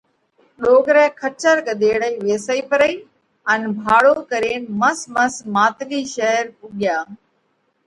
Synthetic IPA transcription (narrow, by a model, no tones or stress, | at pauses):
ɗoːɡɾɛ̃ːkʰət͡ʃəɾkəd̪eːɽəiːʋeːsəiːpəɾəiː | ənbʱaːɽoːkəɾeːnməsməsmaːt̪ɪliːʃəɦəɾpuɠɪjaː